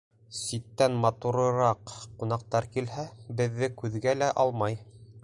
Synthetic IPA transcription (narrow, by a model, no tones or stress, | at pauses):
sit̪ːænmɑt̪uɾɤ̆ɾɑqqunɑq̚t̪ɑɾkilɦæbɘ̆ðːɘkʉðɡælæʔɑlˠmɑj